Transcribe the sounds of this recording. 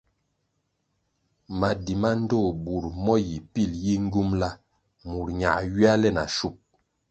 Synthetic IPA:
ma˨di˨ma˦n̩˦do˦˨bu˨ɾmɔ˦ji˨pi˦˨lji˦ŋ̩˦ɡu˦mla˦ | mu˨ɾɲa̰˨ɥi˦a˦lɛ˦˨na̰˨ʃu˦˨p̚

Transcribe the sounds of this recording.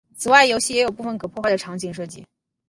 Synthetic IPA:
t͡sʰɹ̩˨˩wa˥˩ɪjo˧˥ʊɕi˥˩jɛ˧˥jo˨˩pu˥˩fə˩nkʰɤ˨˩pʰɔ˥˧xwa˥˩d̪ə˩ʈ͡ʂʰɑ˧˥ŋt͡ɕi˧˩ŋʂɤ˥˧˩t͡ɕḭ˥˩

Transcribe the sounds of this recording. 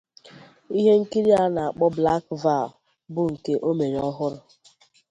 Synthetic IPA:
i˦ɦe˦ŋ̩˦ki˦ɾi˦a˦na˨a˨k͡pɔ˦bla˦k̚va˦˨ | bʊ˨ŋ̩˨ke˦ʔo˦me˨ɾɔ˦ɦʊ˦ɾʊ˦

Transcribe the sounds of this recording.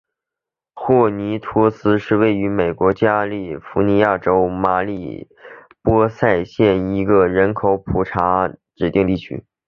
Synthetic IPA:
xwɔ˥˩ni˧˥t̪ʰɔ˥sɹ̩˥ʂɻ̩˥˧we˥˩ɪy˧˥me˨˩ɪkwɔ˧˥t͡ɕja˥li˥˩fu˧˥ni˧˥ja˥˩ʈ͡ʂo˥ʊma˧˥li˨˩ | pwɔ˥sa˥˧ɪɕjɛ˥˩ni˧˥ɡə˧ɻə˧˥nkʰo˧˥ʊpʰu˨˩ʈ͡ʂʰa˧˥ʈ͡ʂɻ̩˨˩t̪i˥˧ŋt̪i˥˩t͡ɕʰy̰˥

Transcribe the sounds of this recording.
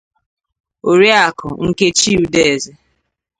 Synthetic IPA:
o˨ɾi˦a˨kʊ˨ŋ̩˦ke˦t͡ʃi˦u˨de˦e˨ze˨

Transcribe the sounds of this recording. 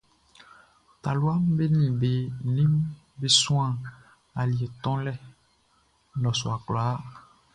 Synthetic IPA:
t̪a˨lu˦a˦m˦be˦nĩ˨be˦nĩ˦m | be˦sũ˦ã˨ | a˨li˨e˨t̪ɔ̃˦lɛ˦ | lɔ˨sɔ̰˨a˨k͡pla˨˦

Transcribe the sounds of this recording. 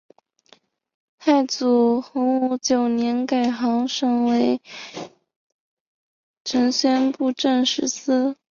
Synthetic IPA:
t̪ʰa˥˩ɪt͡su˨˩xʊ˧˥ŋu˧˥˩t͡ɕjo˨˩ʊnjɛ˧˥nka˨˩ɪxɑ˧˥ŋʂɤ˧˥ŋwe˧˥ɪ | ʈ͡ʂʰə˧˥ŋɕɥɛ˥npu˥˧ʈ͡ʂə˥˧nʂɻ̩˥˩sɹ̩˥

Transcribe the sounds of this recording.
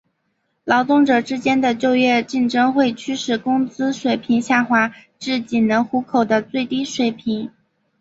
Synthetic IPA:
lɑ˧˥ʊt̪ʊ˥˩ŋʈ͡ʂɤ˨˩ʈ͡ʂɻ̩˥t͡ɕjɛ˥nd̪ə˨t͡ɕjo˥˧ʊɥɛ˥˧t͡ɕi˥˩nʈ͡ʂɤ˥ŋxwe˥˩ɪt͡ɕʰy˥ʂɻ̩˥˩kʊ˥ŋt͡sɹ̩˥ʂwe˨˩ɪpʰi˧˥ŋɕja˥˩xwa˧˥ | ʈ͡ʂɻ̩˥˩t͡ɕi˨˩nnə˧˥ŋxu˧˥kʰo˨˩ʊd̪ə˦t͡swe˥˩ɪt̪i˥ʂwe˨˩ɪpʰi˧˥ŋ

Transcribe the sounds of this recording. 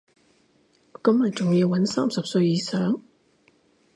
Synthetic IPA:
kɐ˨˥mːɐ˨˩t͡sʊ˨ŋjiː˧wːɐ˨˥nsaː˥msɐ˨p̚sɵ˧ɥjiː˨˧sœː˨˥ŋ

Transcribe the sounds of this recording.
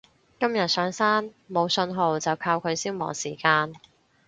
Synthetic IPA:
kɐ˥mjɐ˨t̚sœː˨˥ŋsaː˥n | mo˨˧wsɵ˧nɦo˨wt͡sɐ˨wkʰaː˧wkʰɵ˨˧ɥsiː˥wmɔ̰ː˨˩ŋsiː˨˩kaː˧n

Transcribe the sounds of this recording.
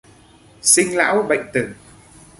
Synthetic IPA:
sï˧ŋla̰ː˧˥wɓə̰˧˨jŋ̟t̪ɨ˨˩ŋ

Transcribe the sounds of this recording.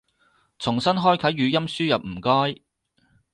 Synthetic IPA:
t͡sʰʊ˨˩ŋsɐ˥nɦɔː˥jkʰɐ˨˥jːyː˨˧jɐ˥msyː˥jɐ˨p̚m̩˨˩kɔː˥j

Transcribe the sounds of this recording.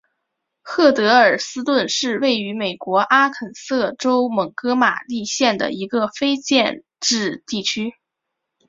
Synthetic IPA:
xɤ˥˩t̪ɤ˧˥ə˞˨˩sɹ̩˥t̪wə˥˧nʂɻ̩˥˧we˥˩ɪy˧˥me˨˩ɪkwɔ˧˥ʔa˥kʰə˨˩nsɤ˥˩ʈ͡ʂo˥ʊmɤ˨˩ŋkɤ˥ma̰˨˩li˥˧ɕjɛ˥˩nd̪ə̰˩i˧˥ɡə˧fe˥ɪt͡ɕjɛ˥˧n | ʈ͡ʂɻ̩˥˧t̪i˥˩t͡ɕʰy˥

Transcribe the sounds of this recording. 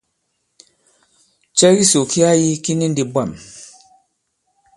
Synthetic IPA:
t͡ʃɛ˦ɣi˦so˨ki˦a˦ji˦ki˦ni˦ndi˨bʷɛ˨m

